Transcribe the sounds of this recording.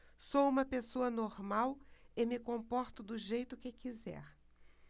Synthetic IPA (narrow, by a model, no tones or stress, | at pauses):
soũmɐpesoɐnoɾmawɪmɪkõpɔɾt̪ʊd̪ʊʒejt̪ʊkɪkizɛ̰ɾ